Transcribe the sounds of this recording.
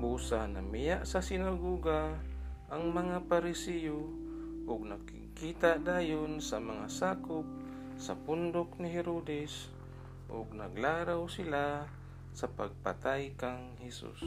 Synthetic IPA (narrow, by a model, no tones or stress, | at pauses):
buːsana̰mɪjaʔsasɪnaɡoːɡaʔːŋmɐŋapaɾɪsɛjo | ʔʊɡnakɪ̰ɡ̚kiːt̪aʔd̪aːjonsamɐŋasaːkʊp̚ | sɐpʊnd̪oknɪɦɛɾod̪ɛs | ʔʊɡnaɡlaːɾawsɪla | sɐpaɡ̚pa̰t̪ajkaŋhɛsṵs